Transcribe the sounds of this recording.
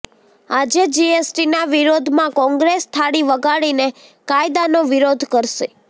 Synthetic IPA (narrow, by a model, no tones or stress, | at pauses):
ad͡ʒed͡ʒiesʈinaʋiɾod̪ʱmãkɔ̃ŋɡɾest̪ʰaɽiʋəɡaɽine | kajd̪anoʋiɾod̪ʱkəɾʃe